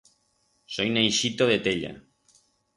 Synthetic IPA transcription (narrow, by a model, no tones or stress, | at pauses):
sojnejʃit̪oðet̪eʎa̰